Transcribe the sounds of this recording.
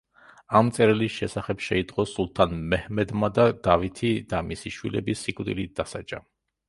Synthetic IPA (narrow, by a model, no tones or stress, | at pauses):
amt̪sʼɛɾɛlisʃɛsaχɛbʃɛid̪ʼqʼɔsulˠt̪ʰanmɛhmɛd̪mad̪ad̪avit̪ʰid̪amisiʃwilɛ̰bisikʼwd̪ḭlid̪asat͡ʃʼa